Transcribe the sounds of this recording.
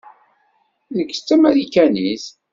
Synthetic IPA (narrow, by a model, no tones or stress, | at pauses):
ðəɡt͡sːæmæðikːæniθ